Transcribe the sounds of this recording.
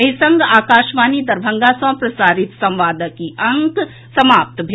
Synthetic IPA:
ɐɦisɐ̃ŋɡaːkaːʃʋaːnid̪ɐɾbʱə̃ŋɡasɐ̃pɾɐsaːɾit̪sɐ̃mʋaːd̪əkiʔɐŋk | sɐmaːp̚t̪bʱe

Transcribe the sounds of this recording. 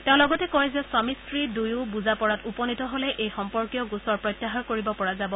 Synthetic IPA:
tẽʊ̃lɔɡɔtɛkɔjzɛsamistɹidujubuzapɔɹatupɔnitɔɦolɛʔejxɔmpɔɹkijɔɡusɔɹpɹɔjtːaɦaɹkoɹibɔpɔɹazabɔ

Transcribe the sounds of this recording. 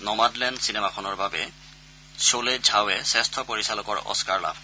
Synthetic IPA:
nɔmadlɛndsinemakʰɔnɔɹbabɛ̰ | soled͡ʒʱawɛsɛstʰɔpoɹisalɔkɔɹɔ̰skaɹla̰bʱ

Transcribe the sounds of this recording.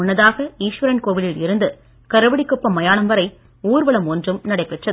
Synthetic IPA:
ʊnːɐðaːɣɐiːʂʋɐɾɐnkoːʋɪlɪlɪɾɯnd̪ɯ | kɐɾɐʋɐɽɪkːʊpːɐmːɐjaːnɐmʋɐɾɐɪ | uːɾʋɐɭɐmɔndrɯmnɐɽɐɪpːɛʈrɐð

